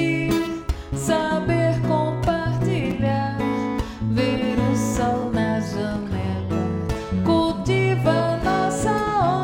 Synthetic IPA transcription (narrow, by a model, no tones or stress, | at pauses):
i | sabeɾkõpaɾt̪iʎaɾ | veɾʊsɔwnɐʒɐnɛlɐkuwt̪ivɐnɔsɐo